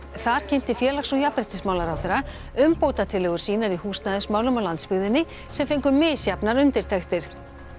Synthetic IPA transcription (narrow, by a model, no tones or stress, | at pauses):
θaɾ̥cʰɛn̥t̪ɪfjɛːlaxsɔɣjapɾɛht̪ɪsmaːwlaɾawθɛɾa | ʏmpowt̪at̪ʰɪlɛɣʏɾ̥siːnaɾihuːst̪naðɪsmaːwlʏmawlant̪spɪɣðɪnːɪ | sɛmfejŋkʏmːɪːsjapnaɾʏnt̪ɪɾt̪ʰaxt̪ɪɾ̥